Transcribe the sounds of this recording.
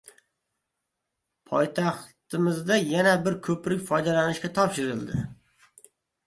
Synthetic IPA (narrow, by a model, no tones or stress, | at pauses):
pʰɒjt̪ʰɑχt̪ɪmɪzd̪ajanabɪɾkʲʰɵpɾɪkʲfɒjd̪alanɪʃkʲat̪ʰɒpʃɪɾɪlˠd̪ɪ̰